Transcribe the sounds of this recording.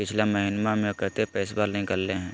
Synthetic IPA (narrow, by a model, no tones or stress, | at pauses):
pɪt͡ʃʰlaməɦinmamẽkət̪epɛːsbaːɾnɐɦĩkɐɾleɦɛ̃ː